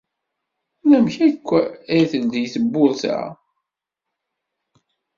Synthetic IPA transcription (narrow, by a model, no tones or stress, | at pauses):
næmçækʷːæθəld̪jθəbːʊðˤθæ̰